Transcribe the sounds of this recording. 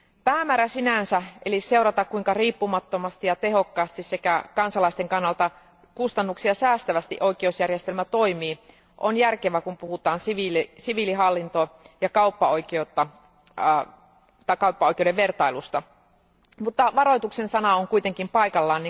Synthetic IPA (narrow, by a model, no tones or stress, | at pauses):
pæːmæːɾæsinænsæʔelise̞uwɾɑt̪ɑkkuiŋkɑriːpːumɑt̪ːomɑst̪ijɑt̪e̞ɦo̞kːɑːst̪issekækɑnsɑlɑist̪eŋkɑnːɑlt̪ɑ | kust̪ɑnːuksiɑsæːst̪æʋæst̪ḭʔoikeusjærjest̪elmæt̪oimiː | ʔonjærkeʋækumpuhut̪ɑːnsiʋilsiʋiliɦɑlːint̪ojɑkɑupːɑo̞ikeut̪ːɑ | t̪ɑikɑupːɑoik̟eudeʋʋe̞rt̪ɑilust̪ɑ | mut̪ːɑʋɑɾo̞jt̪uksensɑnɑoŋkuijt̪e̞ŋkimpɑikɑlːɑːnːi